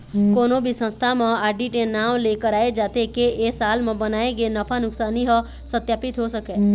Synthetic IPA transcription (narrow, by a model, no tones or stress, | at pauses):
konobʱisə̃st̪ʰamãaɖiʈenaʋlekəɾaed͡ʒat̪ekeʔesalmãbənaeɡenəfʰanʊksaniɦə | sət̪japit̪ɦoʃəke